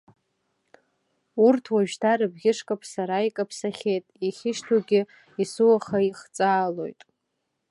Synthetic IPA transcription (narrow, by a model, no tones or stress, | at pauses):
urtʰwaʒᶣdʰaɾɨbɡʲɪʂkʼapʰʼsaɾaikʼapʰsaχʲejtʼiχʲɪʃtʰuɡʲɪ | isɨwaχaiχt͡sʼaːlo̞̰jtʼ